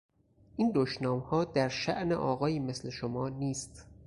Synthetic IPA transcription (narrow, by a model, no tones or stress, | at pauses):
ʔiːnd̪oʃnɒːmhɒːd̪æɾʃæ̰ʔnḛʔɒːɣɒːjiːme̞sle̞ʃomɒːniːst̪